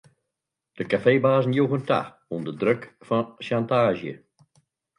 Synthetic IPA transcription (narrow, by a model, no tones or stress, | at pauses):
d̥əkafeːbaːzn̩joɣənta̰x | undədrøkfɔʃantaːʒjə̰